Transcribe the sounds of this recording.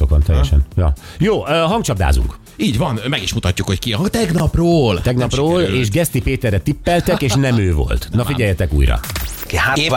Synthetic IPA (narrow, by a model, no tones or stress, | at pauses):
okʋɒnt̪ɛjːɛʃɛnjɒ | joːøɦɒŋt͡ʃɒb̚d̪a̰ːzṵŋk | iːɟvɒnmɛɡiʃmut̪ɒcːukhockiɒt̪ɛɡnɒproːlt̪ɛɡnɒproːleːʒɡɛst̪ipeːt̪ɛrːɛt̪ipːɛlt̪ɛkeːʃnɛmøːvo̞̰lt̪nɒfiɟɛjːɛt̪ɛkṵːjɾɒ̰